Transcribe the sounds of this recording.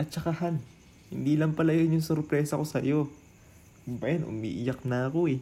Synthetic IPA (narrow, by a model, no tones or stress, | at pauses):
ʔɐt̪̚t͡ʃɐkahan | hɪnd̪iːlɐŋpɐlɐjonjʊŋsʊɾpɾɛːsɐko̞sɐjo̞ | bajanʔʊ̰mḭːʔɪjak̚nɐɐko̞ɛ